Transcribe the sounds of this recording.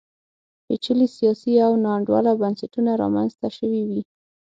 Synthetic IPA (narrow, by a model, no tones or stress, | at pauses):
pet͡ʃəlisijɑsiawnɑɳɖwɑ̰labansaʈunaɾɑ̰manzt̪aʃəwiwi